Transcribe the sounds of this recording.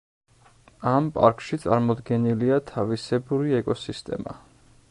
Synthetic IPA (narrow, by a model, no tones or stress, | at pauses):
ampʼa̰ɾkʰʼʃit̪sʼaɾmɔd̪ɡɛniliat̪ʰavisɛbuɾiɛkʼɔsist̪ʼɛ̰ma̰